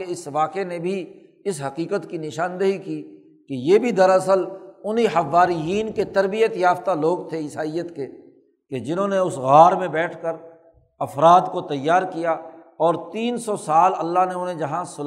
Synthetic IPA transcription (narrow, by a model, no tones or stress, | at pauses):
eɪsʋaːqenẽbʱi | ɪsɦɐqiːqət̪kinɪʃãːnd̪əɦikiː | kejeːbʱid̪ɐɾɐsəlʊniɦɐʋːaːɾijiːnket̪ɐɾbijət̪jaːft̪aloːɡt̪ʰeɪsaːijət̪ke | ked͡ʒɪnõːneʊsɣaːɾmẽbɛːʈʰkəɾ | ɐfɾaːd̪kot̪ɐjːaːɾkijaɔːɾt̪iːnsɔsaːlɐlːaɦneʊnɦẽd͡ʒɐɦãsʊl